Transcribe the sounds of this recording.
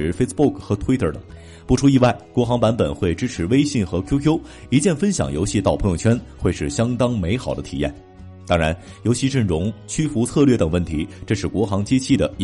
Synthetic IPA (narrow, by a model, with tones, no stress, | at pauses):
fe˥ɪspbu˥˩kxɤ˧˥t̪ʰwi˥t̪ʰə˞˥˩t̪ə̰˨˩˦ŋ | pu˥˩ʈ͡ʂʰu˥i˥˧wa˥˩ɪkwɔ˧˥xɑ˧˥ŋpa˧˥npə˨˩nxwe˥˩ɪʈ͡ʂɻ̩˥ʈ͡ʂʰɻ̩˧˥we˥ɪɕi˥˩ŋxɤ˧˥kʰjo˥ʊkʰjo˥ʊ | i˧˥t͡ɕjɛ˥˩nfə˥nɕjɑ̰˨˩˦ŋjo˧˥ʊɕi˥˧t̪ɑ˥˩ʊpʰɤ˧˥ŋjʊ˥˩ŋt͡ɕʰɥɛ˥nxwe˥˧ɪʂɻ̩˥˩ɕjɑ˥ŋt̪ɑ˥ŋme˧˥ɪxɑ˨˩ʊd̪ə˦t̪ʰi˨˩jɛ̰˥˩n | t̪ɑ˥ŋɻa˧˥n | jo˧˥ʊɕi˧˥ʈ͡ʂɤ˥˩ŋʈ͡ʂʊ˧˥ŋt͡ɕʰy˥fu˧˥t͡sʰɤ˥˧lɥɛ˥˩t̪ə˨˩ŋwə˥˩nt̪ʰi˧˥ʈ͡ʂɤ˥˧ʂɻ̩˥˩kwɔ˧˥xɑ˧˥ŋt͡ɕi˥t͡ɕʰi˥˩d̪ə˩